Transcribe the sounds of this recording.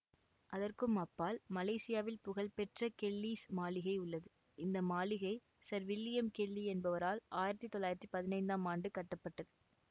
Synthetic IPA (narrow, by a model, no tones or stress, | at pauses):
ʔɐðɐrkɯmɐpːaːlmɐlɐɪsɪjaːʋɪlpʊɣɐlpɛʈrɐkɛlːiːsmaːlɪɣɐɪʊɭːɐðɯ | ɪnd̪ɐmaːlɪɣɐɪ | sɐɾʋɪlːɪjɐmkɛlːiɛnbɐʋɐɾaːlʔaːjɪɾɐt̪ːit̪ːɔlːaːjɪɾɐt̪ːipɐðɪnɐɪnd̪aːmaːɳɖɯkɐʈːɐpːɐʈːɐðɯ